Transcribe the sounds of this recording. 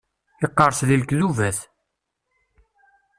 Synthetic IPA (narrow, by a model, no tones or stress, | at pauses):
iqːəɾˤslilkðuvæθ